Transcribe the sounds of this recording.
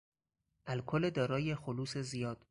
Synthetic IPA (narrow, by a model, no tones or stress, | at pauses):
ʔælkʰoled̪ɒːɾɒːje̞xoluːse̞zijɒːd̪̥